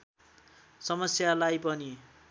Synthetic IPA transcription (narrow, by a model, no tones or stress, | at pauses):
sʌmʌsjalajpʌni